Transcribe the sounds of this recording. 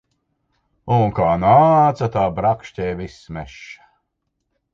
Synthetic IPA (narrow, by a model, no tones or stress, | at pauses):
uŋkaːnaːt̪sat̪aːbɾakʃtʲɛːvismɛʃːḁ